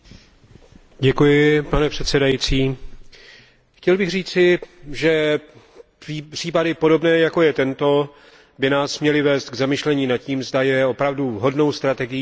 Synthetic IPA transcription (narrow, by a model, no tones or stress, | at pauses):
ɟɛkujɪpanɛpr̝̥ɛt̪sɛdajiːt͡siː | xcɛlbɪɣr̝iːt͡sɪʒɛ | r̝̥iːpadɪpo̞do̞bnɛːjako̞jɛt̪ɛnt̪o̞ | bɪnaːsmɲɛlɪvɛːst̪̚ɡzamɪʃlɛɲiːnat̪̚ciːmzdajɛo̞pɾavduvɦo̞dno̞wst̪ɾat̪ɛɡɪj